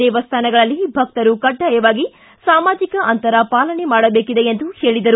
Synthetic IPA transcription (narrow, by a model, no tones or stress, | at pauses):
ɛːʋɐst̪ʰaːnɐɡɐɭɐlːibʱɐk̚t̪ɐɾukɐɖːajɐʋaːɡi | saːmaːd͡ʒikɐʔɐnt̪ɐɾɐpaːlɐɳemaːɽɐbeːkid̪e̞end̪uhe̞ːɭid̪ɐɾu